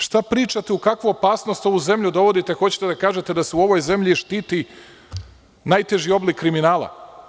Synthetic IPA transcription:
ʃt̪apɾiːt͡ʃat̪eukakʋoopaːsnost̪o̞ʋuze̞mʎud̪o̞ʋo̞d̪it̪e̞xo̞t͡ɕe̥t̪ed̪akaːʒet̪e̞d̪aseuo̞ʋojze̞mʎiʃt̪iːt̪i | najt̪e̞ʒio̞blikːɾiminaːlˠa̰

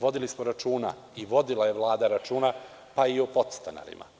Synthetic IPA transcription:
ʋo̞d̪ilismoɾat͡ʃuːna̰ | iʋo̞d̪ilˠaje̞ʋlˠaːd̪aɾat͡ʃuːna | paiopo̞t̪st̪ana̰ɾḭma̰

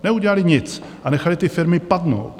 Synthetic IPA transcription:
nɛuɟɛlalɪɲɪt͡s | ʔanɛxalɪt̪ɪfɪɾmɪpad̪no̰wt̪

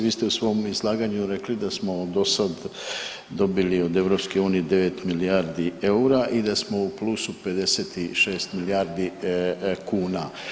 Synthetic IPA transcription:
ʋiːst̪eusʋo̞mizlˠaːɡaɲuɾe̞klid̪asmo̞d̪o̞sad̪ | d̪o̞bilio̞d̪e̞vɾopskeuːnijed̪e̞ʋe̞t̪milijaːɾd̪ieuɾaʔid̪asmo̞uplˠuːsupe̞d̪e̞seːt̪iʃe̞ːst̪milijaːɾd̪i | kuːna

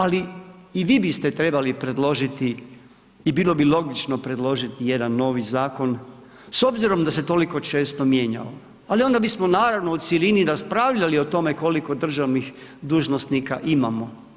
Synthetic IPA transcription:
aliiʋiːbist̪e̞t̪ɾe̞balipɾe̞d̪lˠo̞ʒit̪iː | biːlˠo̞bilˠo̞ɡit͡ʃno̞pɾe̞d̪lˠo̞ʒit̪ije̞d̪anːo̞ːʋizaːko̞n | so̞bziɾo̞md̪ase̞t̪o̞liko̞t͡ʃe̞ːst̪o̞mje̞ːɲa̰o | alio̞nd̪abismonaːɾaʋno̞ut̪sjeliniɾaspɾaːʋʎalio̞t̪o̞me̞ko̞liko̞d̪r̩ʒaʋnixd̪uːʒnost̪nikaʔimamo̞

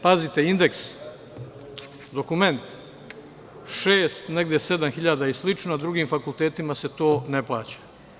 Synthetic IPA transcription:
pazit̪e̞ind̪e̞ks | d̪o̞kume̞nt̪ | ʃeːst̪ne̞ɡd̪jese̞d̪amxiʎad̪aislit͡ʃnonad̪ɾuɡimfakulˠt̪eːt̪imase̞t̪o̞ːneplˠaːt͡ɕḁ

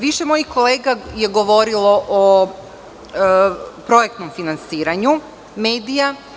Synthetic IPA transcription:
ʋiʃemo̞jixko̞leːɡaje̞ɡo̞ʋo̞ɾilo̞ʔo | pɾo̞jek̚t̪no̞mfinansiːɾaɲu | meːd̪ija

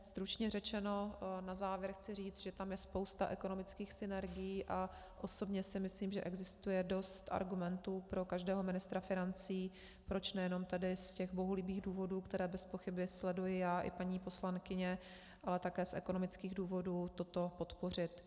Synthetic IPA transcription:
st̪ɾut͡ʃɲɛrɛt͡ʃɛno̞nazaːvjɛɾxt͡sɪriːt͡s̪ʒɛt̪amjɛspo̞wst̪aʔɛko̞no̞mɪt͡skiːxsɪnɛɾɡɪjiːʔa | ʔoso̞bɲɛsɪmɪsliːmʒɛʔɛɡzɪst̪ujɛdo̞st̪ʔa̰ɾɡumɛnt̪uːpɾo̞kaʒdɛːɦo̞mɪnɪst̪ɾafɪnant͡siː | pɾo̞t͡ʃnɛjɛno̞mt̪adɪscɛɣboɦulɪbiːɣduːvo̞duːkt̪ɛɾɛːbɛspo̞xɪbɪslɛdujɪjaːʔɪ̰paɲiːpo̞slaŋkɪɲɛ | ʔalɛt̪akɛːsʔɛ̰ko̞no̞mɪt͡skiːɣduːvo̞duːt̪o̞t̪o̞po̞t̪po̞r̝ɪt̪

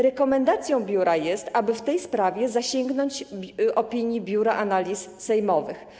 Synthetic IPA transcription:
ɾɛkɔmɛnd̪at̪sʲjɔ̃w̃bʲjuɾʔajɛst̪abɘft̪ɛjspɾavʲjɛzaɕɛŋɡnɔɲd͡ʑʔɔpʲiɲjibʲjuɾaʔanalʲissɛjmɔvɘx

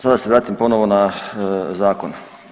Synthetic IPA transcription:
sad̪aseʋɾaːt̪impo̞noʋona | zaːko̞n

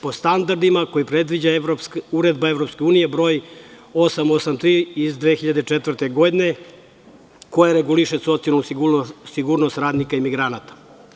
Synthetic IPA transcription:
po̞st̪and̪aɾd̪imako̞jipɾe̞d̪ʋid͡ʑaɾoskuɾe̞d̪baevɾopskeuːnijebɾo̞j | o̞samo̞samt̪ɾiːizd̪ʋexiʎad̪et͡ʃet̪vər̩ɾt̪e̞ɡo̞d̪ine̞ | ko̞jaɾeɡuliʃeso̞t̪sialnusiɡuɾno̞st̪ɾaːd̪nikaimiɡɾanat̪ḁ

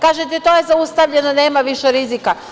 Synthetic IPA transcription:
kaːʒet̪et̪o̞ːje̞zaust̪aʋʎe̞none̞ːmaʋiʃeɾizika

